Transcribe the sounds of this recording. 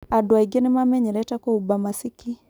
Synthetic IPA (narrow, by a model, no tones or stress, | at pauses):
aduaiɡɛnimamɛɲɛlɛtakɔubamasiki